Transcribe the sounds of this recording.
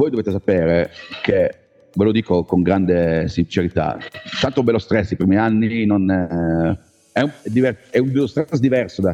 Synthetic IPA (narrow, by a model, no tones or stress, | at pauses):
voːjd̪oveːt̪es̬apeːɾeke | velod̪iːkokoŋɡɾand̪esint͡ʃeɾit̪a̰t̪ant̪oumbɛlost̪ɾɛsːipɾimianːinon | ɛumɛd̪ivɛrɛumbɛlːost̪ɾɛsd̪ivɛrsod̪a